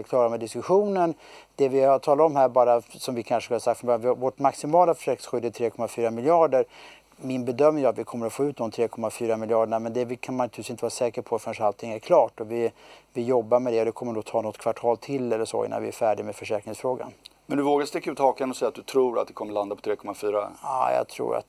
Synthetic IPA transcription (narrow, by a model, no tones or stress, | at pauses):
kʰlɑːɾamɛd̪ɪskɵɧuːnənd̪̥ɛvɪat̪ʰɑːlaɔmɦæːɾbɑːɾasɔmvɪkʰanʂə̥klːasak̪̚fɔmbɑːɾvɪvɔʈmaksɪmɑːlafœ̥ʂɛːknɪ̃sɧʏd̪ːɪt̪ʰɾeːkʰɔmafyːɾamɪljɑːɖəɾ | mɪnbɛd̪œmnɪŋat̪vɪkʰɔmːəɾat̪foːʉ̟ːt̪d̪ɔmt̪ʰɾeːkʰɔmːafyːɾamɪljɑːɖəɳamɛnd̪ɛvɪkʰanmant̪ʰːsɪnt̪əvɑːɾasɛːkəɾpʰɔat̪fœnʂalt̪ʰɪŋːæɾkʰlɑːʈɔvɪvɪjɔbːaɾmɛd̪ɛɔd̪ɛkʰɔmːəɳuːɡt̪ʰɑːnɔt̪ːkʰvaʈʰɑːlt̪ʰɪlːɛlːəʂo̰ːɪ̰nːa̰nvɪ̰æ̰ɾfæːɖɪɡmɛd̪fœʂɛːkɾnɪŋsfɾoːɡa̰nmɛnd̪ɵvoːɡast̪ɪkːaʉːt̪hɑːkanɔsɛjːat̪̚d̪ɵt̪ʰɾuːɾa̰t̪̚d̪ɛkʰɔməɭand̪apʰɔt̪ʰɾeːkʰɔmːafyːɾa̰ɑ̰ːjɑ̰t̪ʰɾṵːɾa̰t̪